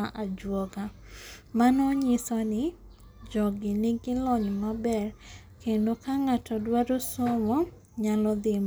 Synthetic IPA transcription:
aʔad͡ʒwɔɡa | manɔɲɪsɔnɪ | d͡ʒɔɡɪnɪɡɪlɔɲmabɛr | kendokaŋatɔdwadosɔmɔ | ɲalɔd̪ɪm

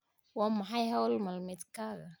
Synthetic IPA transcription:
waːmɐħɑjɦɐwlmɐlmɪd̪kaːɣɐ

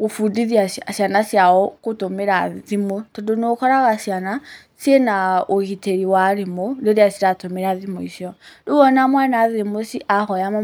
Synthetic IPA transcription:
ɣofudiðiaasjanasjaɔkotomeɾaðimotɔdonokɔɾaɣasiana | senaoɣiteɾiwaɾemodeɾeasiɾatomeɾaðimoisjɔdoɣɔnamwanaðemosiʔahɔjama

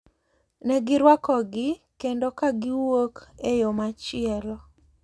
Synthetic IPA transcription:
nɛɡɪɾwakɔɡɪkendokaɡɪwokejomat͡ʃɪɛlɔ

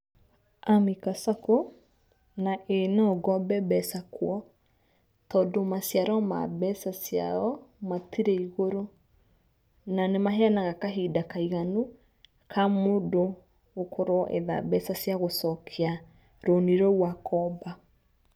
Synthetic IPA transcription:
amikasako | naʔenaɔɡɔbɛbɛsakwɔ | tɔdomasjaɾɔma̰bɛsasja̰ɔmatiɾeiɣoɾo | nanemaɦeanaɣakaɦidakaiɣanu | kʰamodo | ɣːkʰoɾwʔḛða̰bɛsasjaɣosɔkʰea | ɾoniɾɔwakɔba

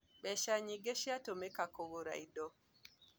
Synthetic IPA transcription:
ɓɛʃaɲiɡeʃiatɔmɛkakɔɡɔɾa̰jdɔ

